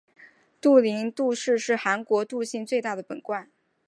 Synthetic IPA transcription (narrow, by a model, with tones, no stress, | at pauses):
t̪u˥˩li˧˥ŋt̪u˥˧ʂɻ̩˥˧ʂɻ̩˥˩xa˧˥nkwɔ˧˥t̪u˥˧ɕi˥˧nt͡swe˥˧ɪt̪a˥˩d̪ə˩pə̰˨˩nkwa˥˩n